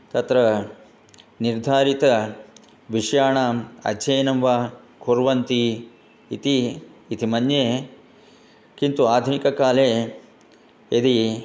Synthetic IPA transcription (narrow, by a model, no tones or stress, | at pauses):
t̪ɐt̪ɾɐ | niɾd̪ʱaːɾit̪ɐ | ʋiʂjaːɳaːmɐ̰dd͡ʒɐjnɐmʋa | kʰoɾʋɐnt̪i | it̪iːt̪imɐnjeː | kint̪uaːd̪ʱunikɐkaːleː | ed̪i